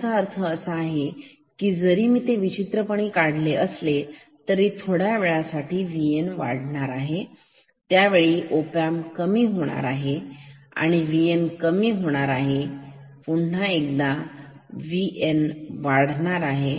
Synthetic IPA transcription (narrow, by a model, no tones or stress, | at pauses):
t͡saəɾt̪ʰəːsəːɦe | kiːd͡zəɾiːmiːt̪eʋit͡ɕit̪ɾəpəɳ̃iːkaɽ̤leəsle | t̪əɾit̪ʰoɽjaʋeɭasaʈʰiːʋienʋa̰ɽɳaɾaɦe | t̪jaʋeɭiːʔopamkəmiːɦoɽ̃a̰ɾaɦea̰ɽ̃iʋienkəmiːɦoɽ̃aɾaɦepuɳnaek̚d̪a | ʋiʔenʋaɽ̤ɳaɾaɦe